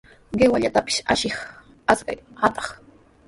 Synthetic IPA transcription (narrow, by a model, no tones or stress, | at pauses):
ɢewaʎat̪apɪ̥ʃa̰ʃɪχ | aska̰jhat̪ɑ̥χ